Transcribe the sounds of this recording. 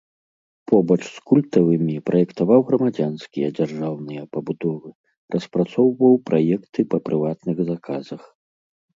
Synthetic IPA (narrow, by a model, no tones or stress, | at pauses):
pʰɔbɐt͡ʂskulʲt̪ɐvɨmʲipɾʔɐjɛkt̪avawɣɾɐmad͡zʲanskʲijɐd͡zʲarʐawnɨjɐpɐbud̪ɔvɨ | rʔɐspɾat̪sɔwvɐwpɾʔajɛkt̪ɨpɐpɾʔɨvat̪nɨɣzakʰazɐx